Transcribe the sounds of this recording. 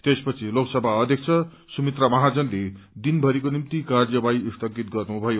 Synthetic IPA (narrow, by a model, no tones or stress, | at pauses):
t̪espʌt͡sʰiloksʌbʱaʌd̪ʱjʌk̚ʰt͡sʰʌ | sumit̪ramʌɦad͡zʌnled̪inbʱʌɾikonimt̪ikard͡zʌbajist̪ʰʌɡit̪̚ɡʌrnubʱʌjo